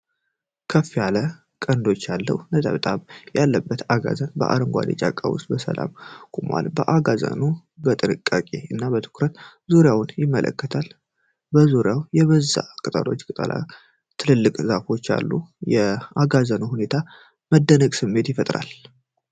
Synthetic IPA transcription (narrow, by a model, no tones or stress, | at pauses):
kʰəfːijalə | kʼənd̪o̞t͡ʃːjalːə̰wnət̪ʼə̰βt̪ʼaβjalːəbːət̪aɡa̰zənbə̰ʔa̰ɾɨŋɡʷa̰net͡ʃʼakʼːawʊ̰st̪̚ʼbəsə̰la̰mkʼumʔa̰lbəʔaɡazə̰nu | bət̪ʼɨnɨkʼːakʼe̞ɨnːabət̪ʰɨ̥kɾət̪zuɾjawʊnjɪmːəlʔə̰kːət̪ʰal | bəzuɾjawjɛβəzːakʼɨt̪ʼəlo̞t͡ʃːkʼɨt̪ʼə̰la̰ | t̪ʰɨlɨlːɨkʼzafo̞t͡ʃːja̰lːujɛaɡazənuhune̞t̪ʰa | məd̪ːənəɡsɨmːe̞t̪jɪfət̪ʼɾa̰l